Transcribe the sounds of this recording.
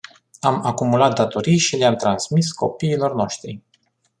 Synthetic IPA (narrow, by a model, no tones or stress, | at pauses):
amakumulat̪̚d̪at̪o̞ɾijʃileamt̪ɾansmisko̞̰piːlo̞rno̞ʃt̪ɾḭ